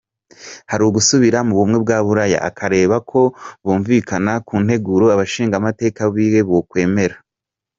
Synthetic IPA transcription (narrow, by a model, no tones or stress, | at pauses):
haɾuɡusuβiɾamuβumŋe̞bɡaːβuɾaja̰ʔa̰kʰaɾe̞ːβakʰo̞βuːɱviːkanakuːn̥e̞ɡuɾoaβaʃiːŋɡamate̞ːkaβiːwe̞βokwe̞ːme̞ɾa